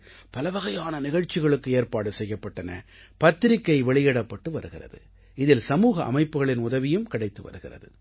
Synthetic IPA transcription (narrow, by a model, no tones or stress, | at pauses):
pɐlɐʋɐɣɐjaːnɐnɪɣɐɻt͡ʃːɪɣɐɭɯkːɯeːrpaːɽɯsɛjːɐpːɐʈːɐnɐ̰ | pɐt̪ːɪɾɪkːɐɪʋɛɭɪjɛɽɐpːɐʈːɯʋɐɾɯɣɪrɐ̰ðɯ̰ | ɪðɪlsɐmuːɣɐʔɐ̰mɐɪpːɯɣɐɭɪnʊðɐʋɪjɯmkɐɽɐɪt̪ːɯʋɐ̰ɾɯɣɪ̰rɐ̰ðɯ